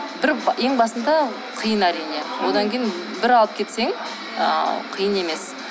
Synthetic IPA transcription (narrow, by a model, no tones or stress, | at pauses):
bɪɾe̞ŋbɑsənd̪ɑ | qʰəjənæɾijne̞wo̞d̪ɑŋkʲʰejɪn | bɪɾɑlˠəp̚kʲʰe̞t̪se̞ŋ | ə̰qʰijəne̞me̞s